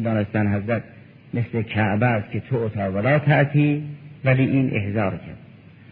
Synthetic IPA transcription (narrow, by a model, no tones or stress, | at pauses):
d̪ɒːnest̪ænɦæzɾæt̪̚ | meslekʰæʔbæskʲʰet̪ʰoot̪ʰɑːvælɒːt̪ʰæʔt̪ʰiːvæliːʔiːnʔḛhzɒːɾcʰæ̰ɾd̪